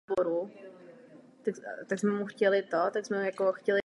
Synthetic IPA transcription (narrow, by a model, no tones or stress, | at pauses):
boɾu | t̪akt̪aɡzmɛmuxcɛlɪt̪ot̪aɡzmɛjakoxcɛlɪ